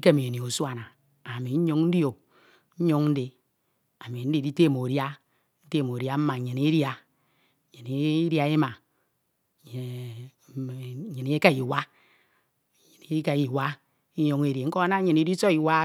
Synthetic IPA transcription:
i˦ke˦mi˨e˨ni˨o˨swa˨na˨ | a˨mi˨ɲ̩˦ɲo˦ŋ˦n̩˦djo˨k̚ | ɲ̩˦ɲo˦ŋ˦n̩˦de˨ | a˨mi˨n̩˦di˦di˦te˦˨m˨o˨ɾja˦ | n̩˦te˦˨mo˨ɾja˦m̩˦ma˨ɲi˨ne˦ɾja˨ | ɲi˨ne˨˦ɾja˨˦e˦ma˨˦˨ | ɲi˨n˨˦e˦ka˦˨ji˨wa˦˨ | ɲi˨n˨˦e˦ka˦˨ji˨wa˦ | i˦ɲo˦ŋ˦e˦ɾje˨ŋ̩˦ko˦a˦na˦ɲi˨ni˦di˦so˦i˨wa˦

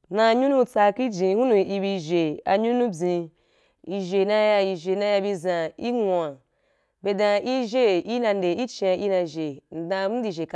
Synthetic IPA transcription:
nã˧ɲu˦nũ˦t͡sa˧ki˦d͡ʒĩ˨hu˦nũ˧i˧bi˧ʒe˨a˧ɲu˦nũ˦bʲĩ˧ | i˧ʒe˨nã˧˦ja˧i˧ʒe˨nã˧ja˧bi˧zã˧i˦ŋʷa˨ | be˧dã˧i˦ʒe˦i˦nã˧n˦de˨i˦t͡ʃi˧ã˧ʔi˦nã˧˨ʒe˨n̩˨dã˧˨˦m̩˦di˧˨ʒe˨k

